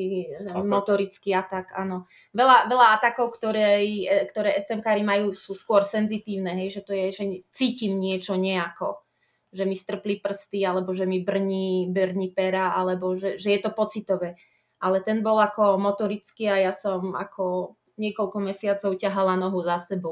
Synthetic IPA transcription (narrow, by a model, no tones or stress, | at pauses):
imɔt̪ɔɾit͡skiat̪aka̰nɔ | ʋɛlaʋɛʎaat̪akɔʊkt̪ɔɾɛjkt̪ɔɾɛːʔɛsɛmkaːɾimajuːsuːskʊɔɾsɛnzit̪iːʊnɛɦɛjʒɛt̪ɔjɛʒɛt͡siːcimɲɪɛt͡ʃɔɲɛakɔ̰ | ʒɛmist̪r̩plipr̩st̪ialɛbɔʒɛmibr̩ɲibrɲipɛɾaalɛbɔʒɛʒɛjɛt̪ɔpɔt͡sit̪ɔʋɛ | ʔalɛt̪ɛnbɔlakɔmɔt̪ɔɾit͡skiajasɔma̰kʰɔ | ɲɪɛkɔlkɔmɛsɪat͡sɔʊcaɦalanɔɦuzasɛbɔʊ